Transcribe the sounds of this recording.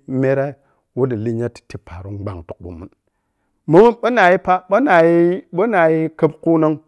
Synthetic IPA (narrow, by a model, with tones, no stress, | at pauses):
me˦ɾa˦ | wu˦di˨li˦ɲa˦ti̥˨ti˦pʰa˨ɾu˦ɡ͡ba̰˨ŋtu˨ṵ˨mṵ˨˦n | mu˦mu˦ɓə˦na˨ji˦pa˦ɓə˦na˨ji˦ɓə˦na˨ji˦kə˦bku˦na˦ŋ